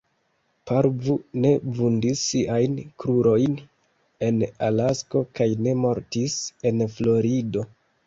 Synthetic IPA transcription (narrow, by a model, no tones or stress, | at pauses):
paɾvune̞vundisːiʔajnkɾuɾo̞jn | e̞nalasko̞kajne̞mo̞ɾtise̞nflo̞ɾido̞